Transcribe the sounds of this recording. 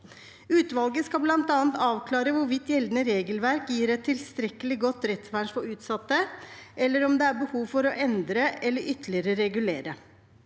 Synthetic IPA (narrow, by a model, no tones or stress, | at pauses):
ʉːt̪ʋɑlɡəskɑblɑnt̪ɑːənt̪ɑːʋkʰlɑːɾəʋʊɾʋɪt̪ːjɛld̪nəɾeːɡəlʋæɾkjiːɾɛt̪ʰːɪlst̪ɾɛkːəlɪɡɔt̪ːɾɛt̪sʋæɳʂfɔʉːt̪sɑt̪ːəʔɛlːəɾɔmd̪ɛæɾbəhuːʋfɔɾɔʔɛnd̪ɾəɛlːəɾʔʏt̪ʰːəlɪəɾəɾɛɡʉleːɾə